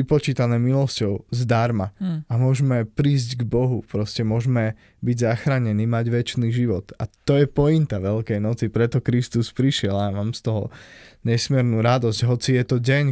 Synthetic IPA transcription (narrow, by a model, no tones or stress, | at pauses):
ipɔt͡ʃiːt̪anɛːmilɔscɔʊzd̪aɾmaʔamʊɔʒmɛpɾiːzɟɡbɔɦupɾɔscɛmʊɔʒmɛ | biɟzaxɾaːɲɛniːmaɟʋɛt͡ʃniːʒiʋɔt̪at̪ɔjɛpɔint̪aʋɛlkɛjnɔt͡sipɾɛt̪ɔkɾist̪uspɾiʃɪɛlamaːmst̪ɔɦɔ̰ɲɛsmiɛɾnuːɾad̪ɔsɟɦɔt͡sijɛt̪ɔɟɛɲ